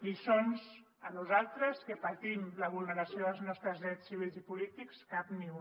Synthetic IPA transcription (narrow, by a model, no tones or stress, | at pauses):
isonz | ənuzalˠt̪ɾəskəpət̪imləβ̞ulˠnəɾəsijoðəlˠznɔst̪ɾəzðɾɛsːiβ̞ilˠzipulit̪ikskapni